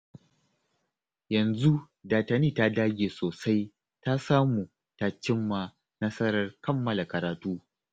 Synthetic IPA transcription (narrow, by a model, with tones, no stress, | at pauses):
jɐ˨nzu˦ | daː˨tɐ˨niː˦˨ta˦daː˦ɡʲeː˨soː˨sa˦j | ta˦saː˦muː˨ | taː˨t͡ʃɪ˦mːa˨ | nɐ˦sɐ˦ɾɐ˨rkɐ˦mːɐ˨la˨kɐ˨ɾaː˨tuː˦